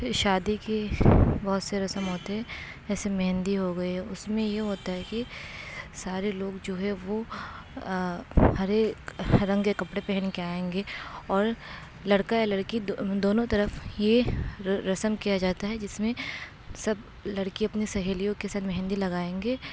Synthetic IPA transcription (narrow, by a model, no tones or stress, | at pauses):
ʃaːd̪ikebɐɦʊt̪seɾɐsəmɦoːt̪eɦɛ | ɛːsemɛɦɛ̃nd̪iɦoɡɐiɦɛʊsmẽjeɦoːt̪aɦɛki | saːɾeloːɡd͡ʒoːɦɛʋo | hɐɾeɾɐ̃ŋɡekɐpɽepɛɦnkeaːẽːŋɡeːɔːɾ | lɐɽkajalɐɽkid̪oːnõt̪ɐɾəfje | ɾɐsəmkijad͡ʒaːt̪aɦɛd͡ʒɪsmẽ | sɐb | lɐɽkiɐpnisɐɦeːlijõkesaːt̪mɛɦnd̪ilɐɡaːẽːŋɡeː